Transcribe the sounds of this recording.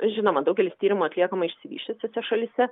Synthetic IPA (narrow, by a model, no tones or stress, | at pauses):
ʒʲɪnoːmɐd̪ɐʊɡʲɛlʲɪst̪ʲiːɾʲɪmuɐt̪ʲlʲiɛkɐmɐɪʃʲsʲɪʋʲḭːʃʲt̪ʲɛsʲɛsʲɛʃɐlʲɪsʲɛ